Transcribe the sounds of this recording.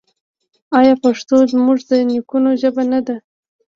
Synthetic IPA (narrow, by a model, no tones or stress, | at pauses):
ɑjɑpaʂt̪ozmuʐd̪ənikunoʒəbanad̪a